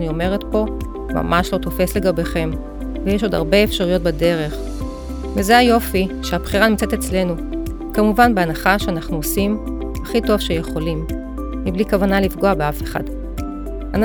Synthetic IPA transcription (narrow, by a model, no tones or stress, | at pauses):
nio̞me̞ʁe̞tpo̞ | ma̰maʃlo̞t̪o̞fe̞sle̞ɡabeχe̞m | vejeʃo̞da̰ʁbe̞ːfʃaʁujo̞t̚bade̞ʁe̞χ | vezeajo̞fiʃeabχiʁanimt͡set̪et͡sle̞nu | kamuvanbeanaχaʃeanaχnuosim | aχito̞vʃejeχo̞lim | miblikavanalifɡo̞abeafe̞χa̰d | an